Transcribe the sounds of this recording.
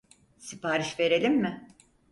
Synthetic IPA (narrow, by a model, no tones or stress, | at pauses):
sipaːɾiʃve̞ɾe̞lʲimːɪ